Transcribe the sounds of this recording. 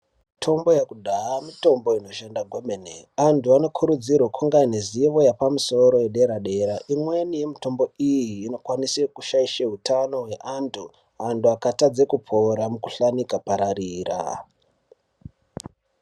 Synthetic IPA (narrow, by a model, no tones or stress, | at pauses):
tʰo̞mbo̞jakudʱaamito̞mbo̞ino̞ʃendaɡʱo̞menḛantʰuano̞kʰuɾud͡zirwokʰuŋɡaneziʋo̞japamuso̞ɾo̞jeɗe̞ɾaɗe̞ɾaʔimwe̞nije̞mito̞mbo̞ijiːno̞kwanisekuʃaiʃeɦutano̞ɦwe̞ʔantʰu | anduakatad͡zekupʰoɾamuku̥ɬanikapaɾaɾiːra̰